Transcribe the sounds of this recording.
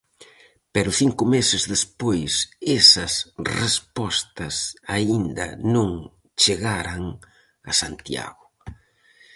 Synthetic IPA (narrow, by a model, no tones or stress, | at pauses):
pɛɾʊθiŋkʊmesɪzðespojsesɐsrespɔst̪ɐsaind̪ɐ̰nõŋ | t͡ʃeɣaɾɐŋ | ɐ̰sant̪ja̰ɣʊ